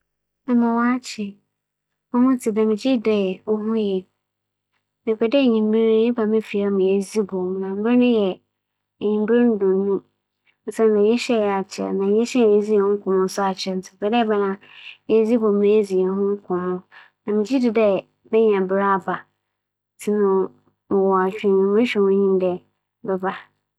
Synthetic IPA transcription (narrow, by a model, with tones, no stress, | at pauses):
ɛ˨mã˨wɔ˦a˦t͡ɕʰɪ˨ | ɔ̃˦mʊ̃˦tʰɪ˨dã˨mɪ̃˨d͡ʑi˦dɛ˨ɔ˦ɦʊ̃˦jɛ˨ | nɪ̃˨kʰɛ˨dɛ˦˨ɲĩ˨m˦be˦ɾɛ˦ba˨mɪ̃˦fi˨a˦mɪ̃˨e˨zi˦bo˨m˨nã˨m̩˦bɪ˦ɪ˦nʊ̃˦jɛ˨ | ɲĩ˨m˦bɪ˦ɾi˦n̩˦dʊ̃˨nː˦ũ˦ | n̩˦sɛ˦nː˦ã˨jɛ˦ɕɛ˦˨jɛ˨a˨t͡ɕʰɪ˨ɛ̰˨nã˨jɛ˦ɕɛ˦˨e˦zi˦ɛ˨hʊ̃˦ŋ̩˦kʰʊ̃˨mʊ̃˦sʊ˦a˨t͡ɕʰɛ˦n̩˨tʰɪ̃˨pɛ˨dɛ˦bɛ˦nã˦ | ɛ˦zi˦bɔ̃˨m˨nɪ̃˦e˦zi˨ɛ˨hʊ̃˦ŋ̩˦kʰʊ̃˨mʊ̃˦ | nã˨mɪ̃˨d͡ʑi˦dɪ˨dɛ˦ | bɛ˦ɲ˨ã˨bɪ˨˦ɾa˦a˨ba˨ | tʰɪ˦nʊ̃˦˨ | wɔ˨a˨t͡ɕᶣɪ̃˨nʊ̃˨mɪ̃˦ɕᶣɛ˨wʊ̃˦ɲĩ˦m˦dɛ˨ | bɛ˦ba˨